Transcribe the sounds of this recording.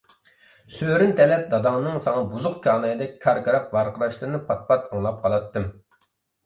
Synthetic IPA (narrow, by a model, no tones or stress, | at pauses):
søɾynt̪ʰɛlɛp̚d̪ɑd̪ɑŋnɨŋsɑŋɑbuzʊqkʲʰɑːnɑjɨd̪ɛkʲkʰɑɾkʰɑɾɑqvɑɾqəɾɑʃlˠɨɾnɨpʰɑt̪̚pʰɑt̪ɑŋlˠɑp̚qʰɑlˠɑt̪ːɨm